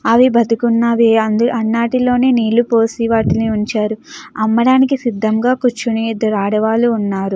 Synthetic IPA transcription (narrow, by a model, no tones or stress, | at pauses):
ɐʋibɐd̪ikunːɐʋeɐnd̪ɐnːaːʈilo̞ːneːniːlupo̞ːsiʋaːʈiliuɲt͡ʃaːɾuɐmːɐɽaːnikisid̪ːɐmɡaːkut͡ʃːunid̪ɐɾaːɽɐʋaːluːnːaːɾu